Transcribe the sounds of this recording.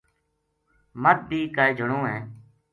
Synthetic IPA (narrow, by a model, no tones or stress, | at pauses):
mət̪̚biːkad͡ʒʱəɳõːɦɛ̃ː